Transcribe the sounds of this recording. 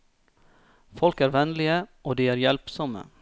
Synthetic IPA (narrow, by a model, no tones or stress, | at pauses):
fɔlkæːɾʋɛnlɪəʔoːd̪iːæːɾjɛlpsɔmə̰